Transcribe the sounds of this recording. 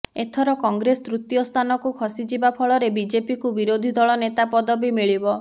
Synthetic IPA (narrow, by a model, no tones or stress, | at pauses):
et̪ʰɔɾɔkɔŋɡɾest̪ɾut̪jɔst̪ʰanɔkukʰɔsid͡ʒibapʰɔɭɔɾebid͡ʒepikubiɾod̪ʱid̪ɔɭɔnet̪apɔd̪ɔbimiɭibɔ